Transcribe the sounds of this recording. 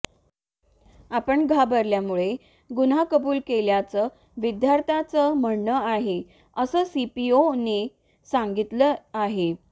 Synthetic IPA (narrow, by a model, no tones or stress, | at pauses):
apəɳɡʱabəɾljamuɭe | ɡunakəbuːlkeljat͡sə | ʋid̪jaɾt̪ʰat͡səm̤əɳnəaɦe | əsəːsipione | saŋɡit̪ləaɦe